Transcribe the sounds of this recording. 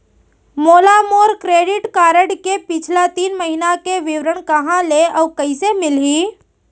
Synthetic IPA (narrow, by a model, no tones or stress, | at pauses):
moːlamoːɾkɾeːɖɪʈkaːɾəɽkepɪt͡ʃʰlat̪iːnməɦinakeʋɪʋɾəɽ̃kɐɦãleɔkəisemɪlɦiː